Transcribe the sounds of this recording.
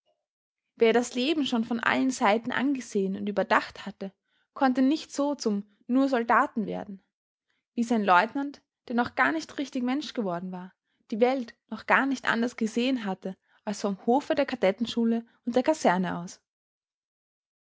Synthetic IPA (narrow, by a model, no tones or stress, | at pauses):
veːɐdasleːbm̩ʃoːnfɔnʔa̰lənzaɪtn̩ʔa̰nɡəzeːənʊntyːbɐdaχthatə | kʰɔntənɪçtz̥oːt͡sʊm | nuːɐzɔldaːtn̩vḛːɐdn̩ | v̥iːzaɪnlɔʏtnant | d̥eːɐnɔχɡ̥aːɐnɪçtʁɪçtɪçmɛnʃɡ̥əvɔɐdn̩vaːɐ | d̥iːvɛltnɔχɡ̥aːɐnɪçtʔa̰ndɐsɡ̥əzeːənɦatə | ʔalsfɔmhoːfədeːɐkʰaɐdɛtn̩ʃuːləʔʊnt̚d̥eːɐkʰazɛɐnəʔa̰ʊs